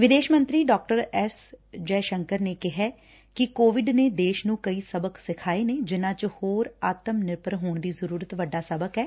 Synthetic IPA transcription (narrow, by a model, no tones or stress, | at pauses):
ʋɪd̪eːʃmə̃nt̪ɾiːɖɔːk̚ʈəɾɛːsd͡ʒɛːʃəŋkəɾneːkɪɦɛː | kɪkoːʋɪɖneːd̪eːʃnũːkəiːsəbəksɪkʰaːeːneːd͡ʒɪnãːt͡ʃhoːɾaːt̪əmnɪɾpəɾɦoːɳ̃d̪iːzəɾuːɾət̪ʋəɖːaːsəbəkɛː